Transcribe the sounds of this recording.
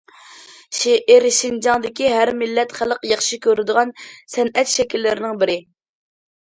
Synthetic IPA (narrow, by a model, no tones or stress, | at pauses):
ʃeʔɪɾʃind͡ʒɑŋd̪ɪkʲiɦæɾmɪlːɛt̪χælˠəqjɑχʃikʲʰøɾɪd̪ɨʁɑnsɛnɛt̪ʃɛkʲilːɪɾɪnɪŋbɪɾɪ